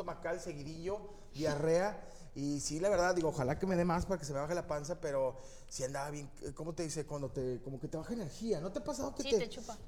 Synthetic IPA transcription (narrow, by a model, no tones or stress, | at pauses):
omakalse̞ɣiðiʝo̞ | bjare̞a | isilaβe̞ɾðaððiɣo̞oxalake̞me̞ðe̞maspaɾake̞s̬eme̞βaxelapansape̞ɾo̞ | siand̪aβaβje̞ŋko̞mo̞t̪e̞ðise̞kwand̪ot̪e̞ko̞mo̞ke̞t̪eβaxaene̞ɾxiano̞t̪eapas̬að̞oket̪et͡ʃ